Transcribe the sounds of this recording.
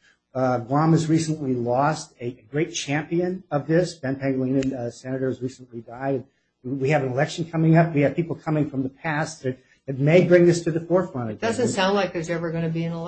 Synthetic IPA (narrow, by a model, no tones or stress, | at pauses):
ɡwɑ̃mɨzɹisə̃n̩lilɔstɨɡɹeɪt̚t͡ʃʰæ̃mpiɨ̃nʌvðɪsb̥ɛ̃npʰæ̃ŋɡlĩnɨ̃nsɛnɨɾə˞zɹisə̃n̩lidaɪd̚ | wiɨvɨ̃nəlɛkʃn̩kʰʌmɪ̃ŋʌpwiɨd̥̚pipl̩ˠkʰʌmɪ̃ŋfɹʌ̃mðəpʰæsðɨt̚ | ɨt̚meɪbɹɪ̃ŋðɪstʰɨðɨfɔɹθɹʌ̃ñd̥ʌzɨ̃nsãʊ̃ndlaɪk̚ðə˞zɛvə˞ɡʌ̃nɨbiɨ̃nəl